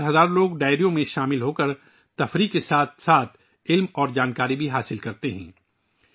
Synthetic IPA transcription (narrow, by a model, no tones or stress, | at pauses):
ɾɦɐzaːɾloːɡɖaːɪɾijõmẽʃaːmɪlɦoːkəɾ | t̪ɐfɾiːkesaːt̪saːt̪ʰ | ɪlmɔːɾd͡ʒaːnkaːɾibʱiɦaːsɪlkɐɾt̪eɦɛ̰̃ː